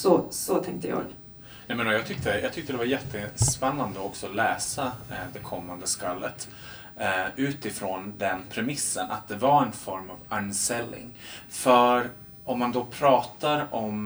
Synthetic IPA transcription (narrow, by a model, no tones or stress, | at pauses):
sɔsɔt̪ʰɛŋk̚t̪əjɑ̰ːɡ | nɛmɛnɔjɑːɡt̪ʰʏk̚t̪əjʔɑːɡt̪ʰʏk̚t̪əd̪ɛvaɾjɛt̪ːəspɛnːand̪əɔksɔːlɛːsad̪ɛkʰɔmːand̪əskalːət̪ | ʉ̟ːt̪ɪfɾoːnd̪ɛnpʰɾɛmɪsːənʔa̰t̪̚d̪ɛvaɾɛnfɔɾmavansɛlːɪ̰ŋfœɾ | ɔmːand̪ɔpʰɾɑːt̪aɾɔm